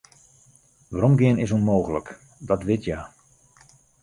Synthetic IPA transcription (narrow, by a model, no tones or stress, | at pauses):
ʋaɾɔmɡɪənɪsunmoːɣələk | dɔtʋɪtʰjaː